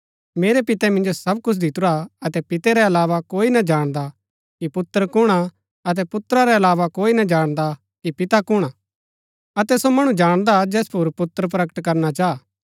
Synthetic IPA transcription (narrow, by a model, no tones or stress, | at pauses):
meːɾɛpɪt̪ɛmɪ̃nd͡ʒosɐb̚kʊt͡ʃʰd̪ɪt̪ʊɾaɐt̪ɛpɪt̪ɛɾɛɐlaːʋakoːinɐd͡ʒaːɽ̃d̪a | kipʊt̪ːəɾkʊɽ̃a | ɐt̪̬ɛpʊt̪ɾaɾɛɐlaːʋakoːinɐd͡ʒaːɽ̃d̪a | kipɪt̪akʊɽ̃a | ɐt̪ɛsomɐɽ̃ũd͡ʒaːɽ̃d̪ad͡ʒɛːspʰʊɾpʊt̪ːəɾp̬ɾɐkə̥ʈkɐɾnat͡ʃaː